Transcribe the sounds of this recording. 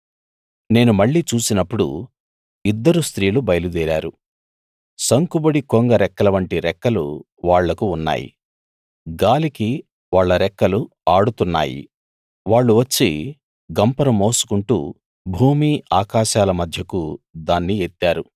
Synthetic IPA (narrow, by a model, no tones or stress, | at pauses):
ne̞ːnumɐɭːiːt͡ʃuːsinɐpːuɽṵ | id̪ːɐɾust̪ɾiːlubɐjɐlud̪ɛːɾa̰ːɾu | sɐŋkubɐɽikoŋɡɐɾɛkːɐlɐʋɐɳʈiɾɛkːɐlṵ | ʋaːɭːɐkuːnːa̰ːjḭ | ɡaːliki | ʋaːɭːɐɾɛkːɐlu | aːɽut̪unːa̰ːjḭ | ʋaːɭːuʋɐt͡ʃːi | ɡɐmpɐɾɐmo̞ːsu̥kuɳʈṵː | bʱuːmiːaːkaːʃaːlɐmɐd̪ʱjɐkud̪aːnːiet̪ːaːɾu